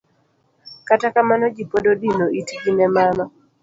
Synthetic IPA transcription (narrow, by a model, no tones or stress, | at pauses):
katakamanɔd͡ʒipododinoitɡinɛmanɔ